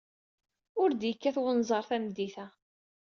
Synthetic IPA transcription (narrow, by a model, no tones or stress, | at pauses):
ʊɾd̪jəkːæθwənzˤɑɾˤθæmd̪ːiθæ